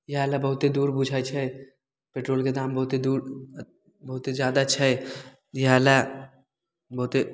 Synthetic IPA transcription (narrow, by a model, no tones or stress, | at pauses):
jɦaːlabɐɦʊt̪ed̪uːɾbud͡ʒʰʱat͡ʃʰae | peːʈɾoːlked̪aːmbɐɦʊt̪ed̪uːɾ | bɐɦʊt̪ezjaːd̪aɐtːʃʰaɦe | jɦaːla | bɐɦʊt̪e